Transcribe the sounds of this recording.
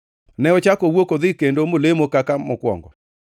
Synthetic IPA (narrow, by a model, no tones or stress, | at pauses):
nɛɔt͡ʃakowokoðɪkendomolemokakamɔkwɔ̰ŋɡɔ̰